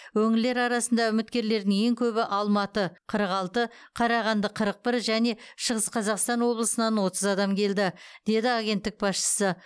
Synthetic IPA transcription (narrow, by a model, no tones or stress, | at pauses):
wɵŋɪlle̞ɾɑɾɑsənd̪ɑʏmɪt̪kʲe̞ɾle̞ɾd̪ɪŋje̞ŋkʲʰɵbɪʔɑlˠmɑt̪əqʰəɾəqɑlˠt̪əqʰɑɾɑʁɑnd̪əqʰəɾəq̚bɪɾʒæne̞ʃəʁəsqʰɑzɑqst̪ɑnwo̞blˠəsənɑnwo̞t̪əzɑd̪ɑmkʲʰe̞ld̪ɪd̪̥e̞d̪ɪɑɡʲe̞nt̪ːɪk̚bɑsʃə̥sə